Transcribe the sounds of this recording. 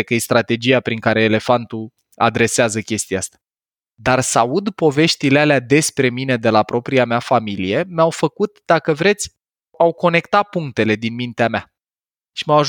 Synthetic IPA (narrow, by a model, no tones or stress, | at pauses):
kəjest̪ɾat̪e̞d͡ʒiapɾiŋkaɾe̞ːle̞fant̪u | a̰d̪ɾe̞seazəkʲe̞st̪ijaast̪ḁ | d̪arsaud̪po̞ve̞ʃt̪ilealead̪e̞spɾe̞mine̞d̪e̞lapɾo̞pɾiamafamilije̞meawfəkut̪d̪̥akəvɾe̞t̪sʲ | awko̞ne̞kt̪at̪̚puŋk̚t̪e̞le̞d̪inmint̪eamea | ʃimawaʒ